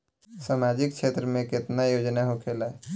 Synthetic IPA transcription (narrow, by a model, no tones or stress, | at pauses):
samad͡ʒɪkt͡ʃʰeːt̪ɾəmẽkɪt̪najoːd͡ʒnaɦokʰeːla